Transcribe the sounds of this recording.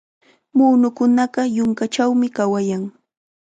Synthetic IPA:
muːnʊkʊnɑɢɑjʊŋkat͡ʃawmɪkawajaŋ

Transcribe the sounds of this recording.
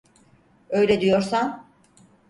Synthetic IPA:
ø̞jlʲɛd̪ijo̞ɾsan

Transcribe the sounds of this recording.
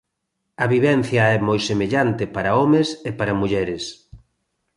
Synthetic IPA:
ɐβiβɛn̟θjɐɛmojsemeʎant̪ɪpaɾɐɔmesepaɾɐmuʎɛɾɪs

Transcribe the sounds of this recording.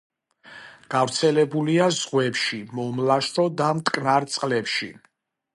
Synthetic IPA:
ɡ̥avɾt̪sʰɛlɛbuliazʁwɛpʃimɔmlaʃɔd̪amt̪ʼkʼnaɾt̪sʼqʼlɛpʃḭ

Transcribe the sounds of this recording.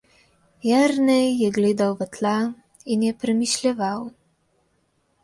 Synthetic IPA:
jɛɾnɛjːɛɡleːd̪awʋət̪la | injɛpɾɛmiʃljɛʋaw

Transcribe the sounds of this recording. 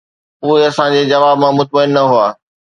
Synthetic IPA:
ʊɦeɐsãd͡ʑeːd͡ʑɐʋaːbmãmʊt̪̚məɪnːɐɦʊaː

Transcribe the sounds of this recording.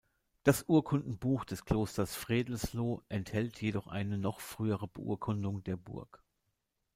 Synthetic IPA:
d̥asʔuːɐkʰʊndn̩buːxd̥ɛskl̥oːstɐsfʁ̥eːdl̩sloːʔɛnthɛltʰjedɔχʔa̰ɪnənɔχfʁ̥yːəʁ̞əbəʔṵːɐkʰʊndʊŋdeːɐbʊ̰ɐk

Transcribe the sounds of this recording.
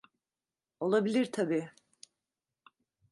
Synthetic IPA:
o̞lˠabilʲiɾt̪ʰabiː

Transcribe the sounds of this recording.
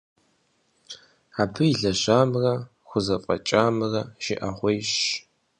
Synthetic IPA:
aːbʰɨiɮɐɕaːmrɐ | χʷʊzɐfʼɐ̰t͡ʃʼaːmrɐʃɪʔaʁʷejɕ

